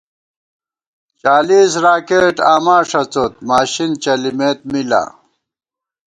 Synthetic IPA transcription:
t͡ɕaːliːsɾaːkeːʈaːmaːʂɐt͡sot̪maːɕint͡ɕɐlimeːt̪̚mila̰

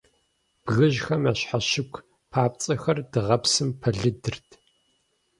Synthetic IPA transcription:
b̥ɣɨʑxɐmaːɕħaɕɪkʷʰ | pʰaːp̚t͡sʼɐxɐrd̥ɨʁɐpsɨmpʰɐɮɨdɨrtʰ

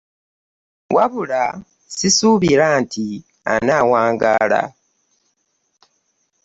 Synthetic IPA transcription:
wʔaβula | sisuːβiɾaːntʰi | a̰naːwaːŋɡa̰ːla̰

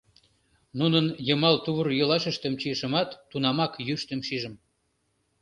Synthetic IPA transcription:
nunənjəmɑlt̪uβərjolɑʃəʃt̪ə̆mt͡ɕiəʃə̆mɑt̪ːunɑmɑkjyʃt̪ə̆mʃiʒə̆m

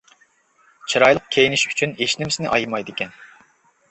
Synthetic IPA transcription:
t͡ʃʰiɾɑjlˠəq̚kʲʰejiniʃy̥t͡ʃʰyneʃnɪmsɪnɪʔɑjmɑjd̪ɪkʲɛn

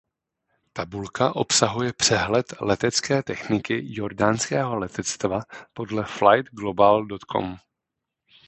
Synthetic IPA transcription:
t̪abulkaʔo̞psaɦujɛpr̝̥ɛɦlɛt̪lɛt̪ɛt͡skɛːt̪ɛxnɪkɪjo̞ɾdaːnskɛːɦo̞lɛt̪ɛt͡st̪vapo̞dlɛflajt̪ɡlo̞baldo̞t̪kʰo̰m

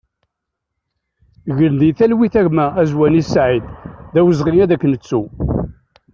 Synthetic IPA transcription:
ʝəɾnd̪iθælwiθæʝmæːzwænisʕid̪ðæwəzʁijæðækːənət͡sːu

